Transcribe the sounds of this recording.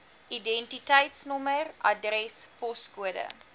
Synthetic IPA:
ʔidɛntitəjtsnɔmərʔɐdrɛspɔskuədə̰

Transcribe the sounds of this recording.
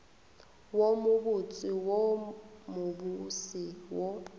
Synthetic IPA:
womuɓut͡sʼiwomuɓusiwɔ

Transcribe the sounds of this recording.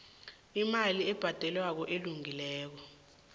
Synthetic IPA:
imaliɛb̥ʱad̥ʱɛlwak̬ɔʔeluŋilɛːk̬ɔ

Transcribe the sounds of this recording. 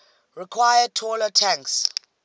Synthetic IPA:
ɹikʰwajətʰɔlətʰãŋks

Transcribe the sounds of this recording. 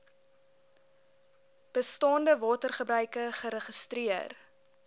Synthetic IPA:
b̥əstɑːndəvɑːtərχəbɾœɥkəχəɾəχəstriər

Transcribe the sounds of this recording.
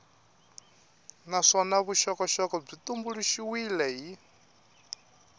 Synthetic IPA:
naʂɔnaβuʃɔkɔʃɔkɔb͡ʐit̪ʼumbuɺuʃiwilɛɦi

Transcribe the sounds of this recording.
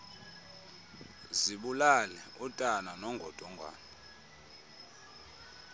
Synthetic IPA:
ziɓulalɛutʼananɔŋɡʱɔd̥ʱɔŋʱwa̰ːna

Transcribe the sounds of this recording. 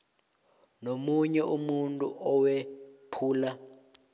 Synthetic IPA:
nomuɲɛʔumuntʼuʔɔwɛpʰuːla

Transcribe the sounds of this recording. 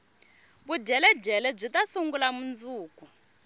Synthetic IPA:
buɟɛlɛɟɛlɛb͡ʐʷitasuŋɡulamund͡zuːkʼu

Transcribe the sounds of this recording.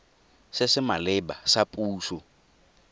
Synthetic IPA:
sɪsɪmalɪbasapʼuːsʊ

